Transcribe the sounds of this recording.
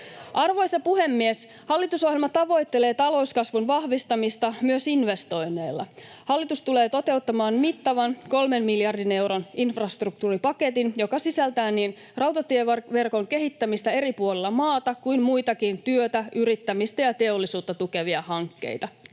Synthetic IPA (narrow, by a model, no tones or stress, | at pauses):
ʔɑrʋo̞jsɑpuhe̞mːies | hɑlːit̪uso̞ɦjelmɑt̪ɑʋo̞jt̪ːele̞ːt̪ɑlo̞uskɑsʋunʋɑhʋist̪ɑmist̪ɑmyøsinʋe̞st̪o̞jnːˑe̞ːlːɑ̰ | hɑlːit̪ust̪ule̞ːt̪o̞t̪e̞ut̪ːɑmɑːnmit̪ːɑʋɑnko̞lmemmiljɑrdine̞wɾoninfrɑst̪ruk̚t̪uːripɑket̪injo̞kɑsisælt̪æːnːiːn | rɑwt̪ɑt̪ieʋe̞rko̞ŋke̞ɦit̪ːæmist̪æe̞ɾipuolilːɑmɑːt̪ɑkujmmujt̪ɑkint̪yøt̪æʔyɾit̪ːæmist̪æjɑt̪e̞o̞lːisuːt̪ːɑt̪uke̞ʋiɑhɑŋkːe̞̰jt̪ɑ